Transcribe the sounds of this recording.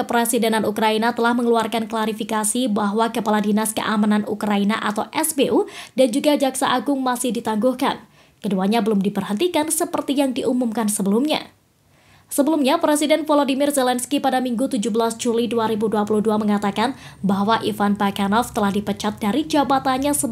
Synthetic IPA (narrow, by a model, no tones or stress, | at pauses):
kəpɾesidenanukɾainat̪əlahməŋəluarkanklaɾifikasibaɦwakəpaladinaskə̰ʔamananukɾainaʔat̪awʔɛsbeʔudand͡ʒuɡad͡ʒaksa̰ʔaɡʊŋmasɪhdit̪aŋɡuhka̰n | kəduaɲabəlʊmdibərhənt̪ikansəpərt̪ijaŋdiʔumumkansəbəlumɲa̰ | səbəlumɲapɾesidɛnfolodimirzɛlɛnskipadamiŋɡut̪ud͡ʒubəlasd͡ʒuliduaɾibuduapuluhduaməŋat̪akanbaɦwaʔifanbakanɔft̪əlahdipət͡ʃat̪̚daɾid͡ʒabat̪aɲasə